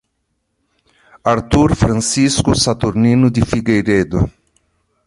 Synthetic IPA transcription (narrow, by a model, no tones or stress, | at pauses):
aɾt̪uɾfɾansiskusat̪uɾninud̪ifiɡejɾed̪ṵ